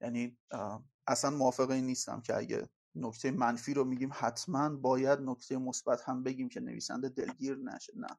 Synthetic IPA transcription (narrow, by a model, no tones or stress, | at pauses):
jæniː | ʔæsænmoɒːfe̞ɣeiniːst̪æ̰mcʰeʔæ̰ɟḛ | nocʰt̪ʰe̞jemænfiːɾomiːɟiːmhæt̪ʰmænbɒːjæd̪nocʰt̪ʰe̞jemosb̥æt̪hæmbe̞ɟiːmcʰe̞nḛvḭːsæ̰nd̪e̞d̪e̞̰lɡiːɾnæ̰ʃe̥næ̰